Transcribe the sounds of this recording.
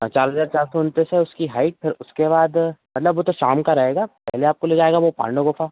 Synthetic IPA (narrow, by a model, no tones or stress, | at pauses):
t͡ʃaːɾɦɐzaːɾt͡ʃaːɾsont̪eseʊskiɦaːɪʈ̚pʰɪɾʊskeβaːd̪mɐt̪ləbʋot̪oʃaːmkaɾɐɦeːɡaːpɛ̰ɦleaːp̚koleːd͡ʒaːeːɡaʋopa̰ːɳɖoɡʊfʰaː